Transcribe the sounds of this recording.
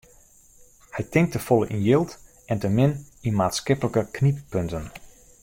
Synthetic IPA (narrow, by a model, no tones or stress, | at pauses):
hɛjtɪŋk̚təfɔlˠəʔinjɪlˠt | ɛntəmɪn | imaːtskɪpələkəknippøntən